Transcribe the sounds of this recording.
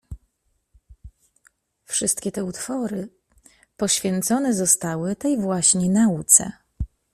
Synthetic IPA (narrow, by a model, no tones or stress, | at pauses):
fʂɘst̪kʲɛt̪ɛut̪fɔɾɘ | pɔɕfʲjɛnt̪sɔnɛzɔst̪awɘt̪ɛjvwaɕɲɛnaut̪sɛ̰